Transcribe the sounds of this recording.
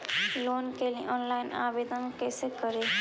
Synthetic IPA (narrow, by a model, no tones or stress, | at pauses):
loːnkelĩʔɔːnlaɪna̰bed̪ənkɛsekəɾe